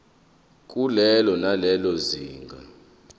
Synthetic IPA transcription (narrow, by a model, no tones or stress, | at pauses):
k̬ʼulɛlɔnalɛlɔziːŋɡʱa̰